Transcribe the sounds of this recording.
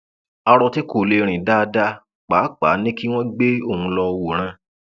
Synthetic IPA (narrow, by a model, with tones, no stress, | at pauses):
a˧ɾɔ˧ti˦ko˨le˧ɾ̃ĩ˨da˦˧da˦ | k͡paː˨˦k͡pa˨˦nĩ˦ki˦w̃ɔ̃˦ɡ͡be˦o˦˨hũ˧lɔ˧wo˨ɾ̃ã˧